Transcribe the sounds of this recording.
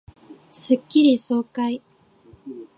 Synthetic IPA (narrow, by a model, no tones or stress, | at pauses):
sɨkʲːiɾʲiso̞ːkai